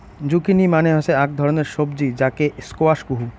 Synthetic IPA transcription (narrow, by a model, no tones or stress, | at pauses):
d͡ʑukinimaneɦasʰeak̚d̪ʱɔɾoneɾʃobd͡ʑid͡ʑakeskoaʃɡuɦu